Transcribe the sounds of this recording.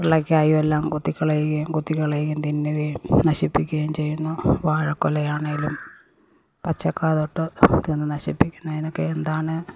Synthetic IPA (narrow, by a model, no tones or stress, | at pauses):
iɭɐkʲːaːjumelːaːmkut̪ːikʲːɐɭejikːɐjumkut̪ːikʲːɐɭejikʲːunt̪inːeejnɐɕipːikʲːuɣɐjumt͡ɕe̞jːunːuʋaːɻɐkːolɐjaːɳeŋɡilum | pɐt͡ɕːɐkːaːðoʈːɨt̪inːɨnɐɕḭpːikʲːunːɐðinokːeend̪aːɳɨ